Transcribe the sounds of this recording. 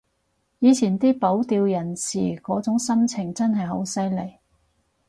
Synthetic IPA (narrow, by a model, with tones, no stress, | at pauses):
jiː˨˧t͡sʰiː˨˩nt̪iː˥po˨˥wt̪iː˧wjɐ˨˩nsḭː˨˩kɔː˨˥t͡sʊ˨˥ŋsɐ˥mt͡sʰɪ˨˩ŋt͡sɐ˥nɦɐ˨jɦo˨˥wsɐ˥jle˨˩j